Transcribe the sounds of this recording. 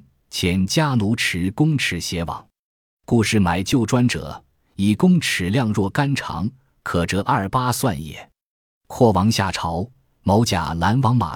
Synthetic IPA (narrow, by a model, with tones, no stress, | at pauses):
t͡ɕʰjɛ˧˥nt͡ɕja˥lu˧˥ʈ͡ʂʰɻ̩˧˥kʊ˥ŋʈ͡ʂʰɻ̩˧˥ɕjɛ˧˥wɑ̰˨˩˦ŋ | ku˥˧ʂɻ̩˥˩ma˧˩ɪt͡ɕjo˥˩ʊʈ͡ʂwa˥nʈ͡ʂɤ̰˨˩˦ | i˨˩kʊ˥ŋʈ͡ʂʰɻ̩˨˩ljɑ˥˧ŋɻwɔ˥˩ka˥nʈ͡ʂʰɑ̰˧˥ŋ | kʰɤ˨˩ʈ͡ʂɤ˧˥ʔɐ˞˥˩pa˥swa˥˧njɛ̰˥˩˦ | kʰwɔ˥˩wɑ˧˥ŋɕja˥˩ʈ͡ʂʰɑ˧˥ʊ | mɑ˧˥ʊt͡ɕja̰˨˩la˧˥nwɑ˧˥ŋma̰˨˩